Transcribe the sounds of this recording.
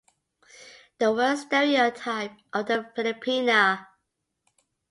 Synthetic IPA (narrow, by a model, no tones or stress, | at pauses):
ðəwɜstɛɹiotʰaɪp̚ʔəvðəfɪlɪpʰinə